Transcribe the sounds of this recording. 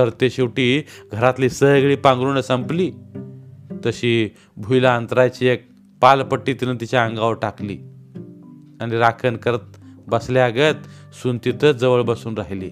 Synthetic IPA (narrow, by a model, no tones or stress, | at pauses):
t̪əɾt̪eɕiwʈiːɡʱəɾat̪liːsəɡɭiːpãŋɡɾunəsə̃mpliː | t̪əɕiː | bʱujlaənt̪ɾajt͡ɕiːek̚ | palpəʈːiːt̪iɾənt̪it͡ɕaə̃ŋɡaʋʈaklḭː | aniɾakʰənkəɾət̪̚bəsleaɡət̪ | sunt̪it̪ət͡sd͡zəʋəɭbəsuːnɾaɦliː